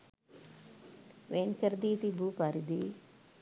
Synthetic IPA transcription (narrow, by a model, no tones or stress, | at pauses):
ʋeːnkɐɾd̪iːt̪ibuːpaɾid̪i